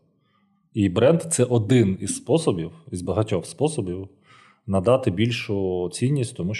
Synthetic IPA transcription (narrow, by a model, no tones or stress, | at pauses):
ibɾɛnd̪t̪sɛʔɔd̪ɪnizspɔsɔbʲiwizbɐɦɐtʲɔxspɔsɔbʲiw | nɐd̪ɑt̪ɪbʲilʲʃʊt͡sʲinʲːisʲtʲt̪ɔmuʃ